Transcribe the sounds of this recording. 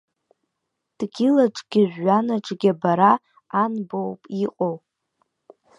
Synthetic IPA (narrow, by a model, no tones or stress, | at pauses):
d̥ɡʲilaʈ͡ʂʼɡʲɪʒᶣʷːanaʈ͡ʂʼɡʲabaɾaː | nbowpʼiqʼow